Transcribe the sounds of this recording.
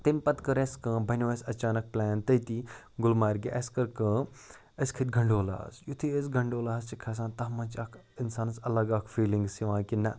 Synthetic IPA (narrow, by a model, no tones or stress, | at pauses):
t̪ɐmʲpɐt̪kɐɾeskɨ̃bʱɐnʲoesɐt͡ʃaːnɐk̚plɛːnt̪ɐjt̪i | ɡʊlmaːɾɡeʔɐskɐɾkɐ̃ | ɐskʰɐt̪ɡʱɐɳɖoːla̰ːsjut̪ʰiesɡɐɳɖoːlaːst͡ʃikʰɐs̬ãːnt̪ɐɦmɐ̃t͡ʃakʰ | ɪnsaːnsɐlɐɡaːkʰfiːliŋɡsiʋãːkinɐ